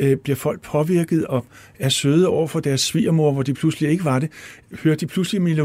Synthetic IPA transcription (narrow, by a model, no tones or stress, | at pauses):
b̥liɐfɒ̽l̰ɡ̥̚pʰɒ̽ʋiɐɡ̥ð̞̩ˠɒ̽ | æɐsøːð̩ˠɒʊ̰ɐfɒ̽d̥æɐsːʋḭːɐmo̝ɐʋɒd̥ipʰluslie̝ɡ̥əʋɑ̈de̝høːɐd̥d̥ipʰluslimilə